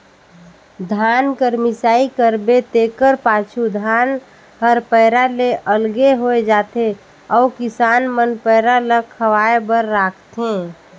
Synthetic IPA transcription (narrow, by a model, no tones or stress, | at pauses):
d̪ʱaːnkəɾmisaːikəɾbet̪ekəɾpaːt͡ʃʰud̪ʱaːn | həɾpəɪɾaleʔəlɡeɦoed͡ʒat̪e | ɔːkɪsaːnmənpəɾaləkʰːəʋaebəɾːaːkʰt̪ʰẽ